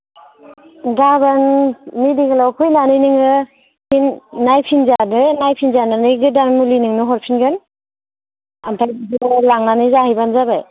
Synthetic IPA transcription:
ɡabanmidiɡalawkʰujnanɯjnɯŋɯ | hinːajpʰinzanɯnajpʰinzananɯjɡɯdanmulinɯŋnɯɦɔɾpʰinɡɯn | amtʰajbiklaŋnanɯjzahajbanzabaj

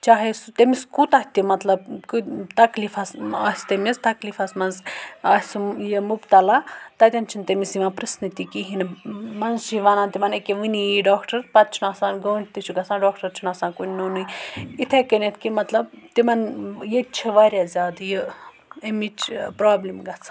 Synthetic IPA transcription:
t͡ʃaːɦest̪emiskut̪ɐht̪ʲimɐt̪lɐb̚kit̪ɐkliːfɐsaːst̪emʲist̪ɐkliːfɐsmɐnzaːsjemubt̪ɐlat̪ɐt̪ʲɐnt͡ʃʰint̪emisjiʋãnpɾɨsnit̪ikiɦinmɐnzʃiʋanãnt̪imɐnekeʋinijiɖaːkʈɐɾpɐt̪̚t͡ʃʰinaːsãːnɡəːɳʈt̪it͡ʃʰuɡɐsʰaːnɖaːkʈɐɾt͡ʃʰinaːsãːnkunʲnonujit̪ʰekɐnet̪ʰkimɐt̪lɐb̚t̪imɐnjet͡ʃʰiʋaːɾʲjazʲaːd̪jə | emit͡ʃʰpɾaːblimɡɐt͡sʰḁ

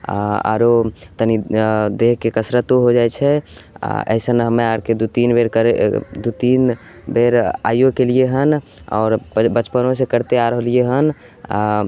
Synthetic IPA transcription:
a̰a̰ɾot̪ənid̪eɦkekəsɾət̪oɦod͡ʒaɛt͡ʃʰɛa̰ə̰ɪsənɦəmeaɾked̪ut̪inbeɾkəɾed̪ut̪in | beɾa̰ijokelieɦən | ɔ̰ːɾbət͡ʃpənõsekəɾt̪eaɾəɦəlieɦən | a̰

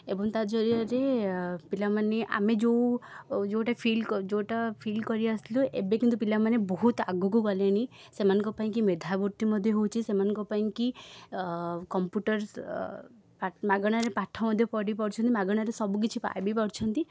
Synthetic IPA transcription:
ebɔŋt̪ad͡ʒɔɾiɔɾepilamaneʔa̰med͡ʒowd͡ʒoʈapʰilkd͡ʒowʈapʰilkɔɾiasiluʔḛbekint̪upilamanebɔɦut̪aɡukuɡɔleɽ̃i | semanɔ̃ŋkɔpaĩkimed̪ʱabuɾt̪imɔd̪ʱjɔɦowt͡ʃʰisemanɔ̃ŋkɔpaĩki | kɔmpjuʈɔɾs | pamaɡɔɽ̃aɾepaʈʰɔmɔd̪ʱjɔpɔɽipɔɽt͡ʃʰɔnt̪imaɡɔɽ̃aɾesɔbuk̬it͡ʃʰipa̰jbipɔɽt͡ʃʰɔnt̪i

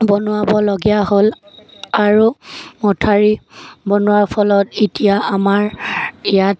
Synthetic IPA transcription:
bɔnʊwabɔloɡɛjaɦol | aɹumɔtʰaɹibɔnʊwaɹpʰɔlɔtitijaamaɹijat

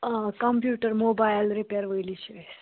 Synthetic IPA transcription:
kɐmpjuːʈəɾmoːbajlɾipeɾʋəjlit͡ʃe

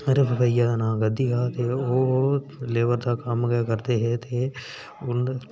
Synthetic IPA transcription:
ɐɾebʱəbaɪjad̪anãːɡəd̪ikaːt̪eoː | leːʋəɾd̪akɐmɡkəɾt̪eɦɛt̪ʰe | ʊn

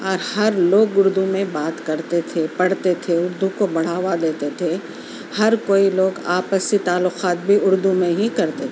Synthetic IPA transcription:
ɔːɾhɐɾloːɡʊɾd̪umẽbaːt̪kɐɾt̪et̪ʰepɐɽt̪et̪ʰeʊɾd̪ukobɐɽ̤aːwad̪eːt̪et̪ʰe | hɐɾkoːiloːɡaːpəsit̪aːlːʊqaːt̪̚bʱiʊɾd̪umẽɦikɐɾt̪e

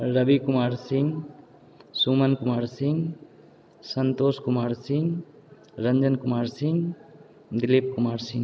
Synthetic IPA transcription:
ɾəbikumaːɾsiŋɡ | sumənkumaːɾsiŋɡ | sənt̪oːskumaːɾsiŋɡ | ɾəɲd͡ʒənkʊmaːɾsiŋɡ | d̪ilip̚kumaːɾsĩŋ

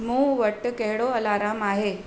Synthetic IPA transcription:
muʋəʈːəkeɦɽoəlaɾaːmaɦe

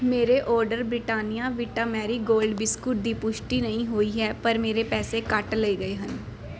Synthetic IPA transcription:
meːɾeːʔɔːɾɖəɾbɾɪʈaːnijaːʋɪʈaːmɛːɾiːɡoːlɖbɪskʊʈ̚d̪iːpʊʃʈiːnəĩːɦoːiːɦɛːpəɾmeːɾeːpɛːseːkəʈleiːɡəeːɦən

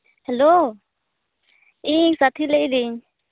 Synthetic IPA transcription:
hɛlo | iŋsat̪ʰilɛid̪iɲ

